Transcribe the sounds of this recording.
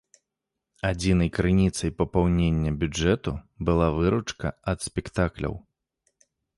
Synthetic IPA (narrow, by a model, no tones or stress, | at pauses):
ad͡zʲinɐjkɾɨnʲit̪sɐjpɐpawnʲenʲːɐbʲud͡ʐɛt̪u | bɨlˠavɨɾut͡ʂkɐ̰ɐt̪sʲpʲɛkt̪aklʲɐ̰w